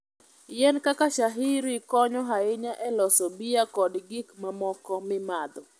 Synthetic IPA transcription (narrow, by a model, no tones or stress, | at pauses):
jɛnkakaʃaɦiɾikɔɲɔɦaɪɲaʔɛlɔsɔbijakɔdɡikmamɔkɔmɪmad̪ɔ